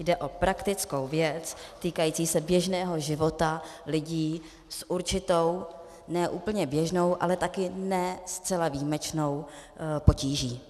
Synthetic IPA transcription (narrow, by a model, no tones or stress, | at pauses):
jdɛʔo̞pɾakt̪ɪt͡sko̞wvjɛt͡st̪iːkajiːt͡siːsɛbjɛʒnɛːɦo̞ʒɪvo̞t̪alɪɟiː | sʔuɾt͡ʃɪt̪o̞w | nɛːʔuːpl̩ɲɛbjɛʒno̞wʔa̰lɛt̪akɪnɛst͡sɛlaviːmɛt͡ʃno̞wpo̞ciːʒiː